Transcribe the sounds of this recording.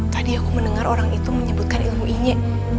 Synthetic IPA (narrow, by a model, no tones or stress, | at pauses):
t̪adiakumənəŋarʔoɾaŋit̪uməɲəbut̪̚kanilmuʔiɲɛ